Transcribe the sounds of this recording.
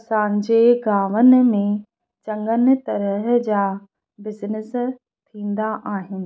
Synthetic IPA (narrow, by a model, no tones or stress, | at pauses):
sãːɲd͡ʑeːɡaːʋənɪ̆mẽ | t͡ɕɐ̃ŋɡənt̪ɐɾəɦd͡ʑaː | bɪznɪs | t̪ʰĩːn̆d̪aʔaːɦɪnɪ̆